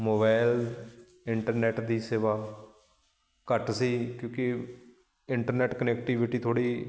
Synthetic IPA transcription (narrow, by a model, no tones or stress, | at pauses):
moːbaːɪl | ɪɳʈəɾnɛːʈd̪iːseːʋaː | kəʈsiːkjõːki | ɪɳʈəɾnɛːʈkənɛːkʈiːʋɪʈiːt̪ʰoːɽiː